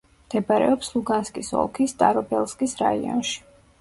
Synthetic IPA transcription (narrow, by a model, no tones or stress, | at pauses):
md̪̥ɛbaɾɛ̰ɔpslˠuɡanskʼisɔ̰lˠkʰist̪ʼaɾɔbɛlˠskʼisɾa̰iɔ̰nʃi̥